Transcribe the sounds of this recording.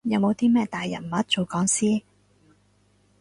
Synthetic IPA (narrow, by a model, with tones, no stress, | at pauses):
jɐ˨˧wmo˨˧wt̪iː˥mɛː˥t̪aː˨jːɐ̰˨˩m̩˨ɐ˦˥t̚t͡so˨˧wkɔː˨˥ŋsiː˥